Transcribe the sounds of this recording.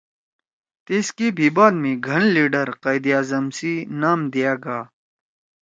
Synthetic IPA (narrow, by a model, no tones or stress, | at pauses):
t̪iskibʱibaːd̪mĩɡʱɐɳliːɖɐɾqajd̪ijaːzɐmsinaːmd̪ijaːɡaː